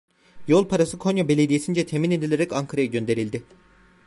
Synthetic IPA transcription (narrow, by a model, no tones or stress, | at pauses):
jo̞lˠpʰaɾasɯkʰo̞njabe̞lʲe̞d̪ijesind͡ʒɛt̪ʰemine̞d̪ilʲeɾɛcaŋkʰaɾajaɟø̞nd̪e̞ɾilʲd̪ɪ